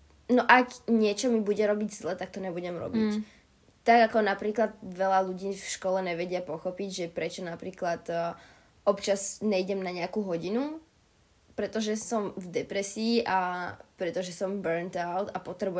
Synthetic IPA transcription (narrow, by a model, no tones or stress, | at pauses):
nɔʔaɡɲɪɛt͡ʃɔmibuɟɛɾɔbiɟzlɛt̪ak̚t̪ɔɲɛbuɟɛmɾɔ̰bic | t̪aɡakɔnapɾiːklad̪̚ʋɛlaluɟiːfʃkɔlɛɲɛʋɛɟɪapɔxɔpiɟʒɛpɾɛt͡ʃɔnapɾiːklat̪ː | ɔpt͡ʃazɲɛiɟɛmnaɲɛakuːɦɔɟinu | pɾɛt̪ɔʒɛsɔmvd̪ɛpɾɛsiːʔapɾɛt̪ɔʒɛsɔmbɛɾnt̪aʊt̪apɔt̪ɾɛbu